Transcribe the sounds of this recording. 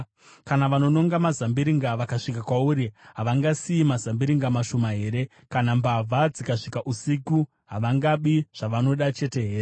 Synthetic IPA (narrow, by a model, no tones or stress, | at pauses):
kanaʋano̞no̞ŋɡamazambiɾiŋɡaʋakaʂikakwauɾiɦaʋaŋɡasiimazambiɾiŋɡamaʃo̞maɦe̞ːɾe̞ | kanambavʱad͡zikaʂikaʔusiku | ɦaʋaŋɡaɓiʐ̥aʋano̞ɗat͡ʃe̞te̞ɦeːre